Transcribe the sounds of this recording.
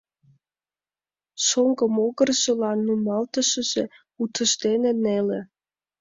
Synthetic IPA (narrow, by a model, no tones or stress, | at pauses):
ʃoŋɡəmoɣərʒə̆lɑnːumɑlt̪əʃə̆ʒ̥e | ut̪ʰə̆ʃd̪enenele